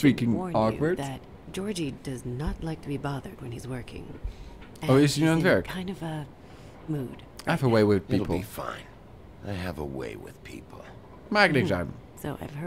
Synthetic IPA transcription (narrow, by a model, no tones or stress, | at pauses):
spikɪ̃ŋɹɔkwə˞dðɨt̚ | d̥ʒ̥ɔɹd͡ʒidʌznətˡlaɪk̚tʰɨbibɑðə˞d̚wɨ̃nizwɜ˞kʰɪ̰̃ŋ | ɨ̃oʊɪzɨnə̃nɛɹʰãɪ̃ndʌvə | mud̥aɪvəweɪwɪð̥pipʰl̩ˠifã̰ɪ̃n | aɪɨvə̰wḛɪwɪ̰ð̥pʰḭpʰl̩ˠ | mæɡ̚nɨ̃d͡ʒasoʊa̰ɪv̥ɜ